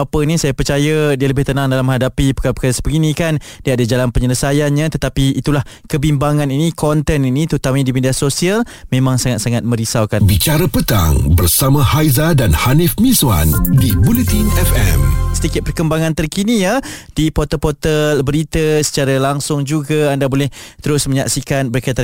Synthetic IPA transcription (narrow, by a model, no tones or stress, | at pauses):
apəinisajapərt͡ʃajədiələbɪht̪ənãŋdalamə̃hadapipə̥kaɾapəkaɾasə̥bəɡinikandiaadəd͡ʒalanpəɲələsajanɲãt̪ət̪apiːt̪ulah | kəbimbaŋãninikʰɔnt̪ɛninĩt̪ut̪amidimediasosial | mẽmãŋsaŋat̪̚saŋat̪̚mə̃ɾisawkanbit͡ʃaɾəpət̪a̰ŋbərsamãhajzadanhanɪfmĩswa̰ndibulət̪inɛfɛ̰msədikɪt̪̚pərkəmbaŋãnt̪ərkinijad̥ipɔt̪əpot̪əlbəɾit̪əsə̥t͡ʃaɾalaŋsʊŋd͡ʒuɡaandabolɛht̪əɾʊsmə̃ɲaksikanbəɾkat̪a